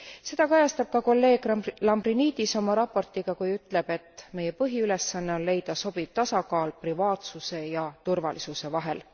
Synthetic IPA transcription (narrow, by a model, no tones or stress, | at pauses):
se̞d̪̥ɑkɑjɑst̪ɑb̥̚kɑko̞lːe̞ːɡ̥lɑmbriniːd̪̥iso̞mɑɾɑpːo̞rt̪iɡ̥ɑkujyt̪ːˑle̞b̥e̞t̪ˑːme̞jepɤɦiyle̞sːɑnːe̞o̞nle̞jd̪̥ɑso̞biv̥t̪ɑsɑkɑːlprivɑːt̪suse̞jɑt̪urvɑ̰lisuse̞vɑɦe̞̰l